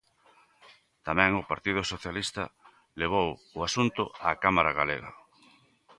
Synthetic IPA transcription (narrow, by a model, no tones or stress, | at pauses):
t̪amɛ̃ŋʊpaɾt̪ið̞ʊsoθjalist̪ɐ̰ | leβ̞owʊasunt̪ʊakamaɾaɣaleɣa̰